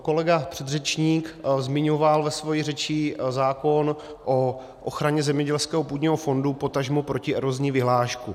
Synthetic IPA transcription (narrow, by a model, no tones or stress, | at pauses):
ko̞lɛɡapr̥ɛd̪rɛt͡ʃɲiːkzmɪɲovalvɛsvo̞jirɛt͡ʃizaːko̞n | ʔo | ʔoxɾaɲɛzɛmɲɛɟɛlskɛːɦopuːd̪ɲiːɦofo̞ndupo̞t̪aʒmopɾo̞cɪɛɾozɲiːvɪɦlaːʃku